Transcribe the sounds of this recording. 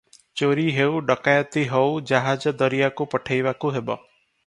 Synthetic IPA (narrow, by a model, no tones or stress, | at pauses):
t͡ʃoɾiɦewɖɔkajɔt̪iɦɔud͡ʒaɦad͡ʒɔd̪ɔɾijakupɔʈʰajʋakuɦebɔ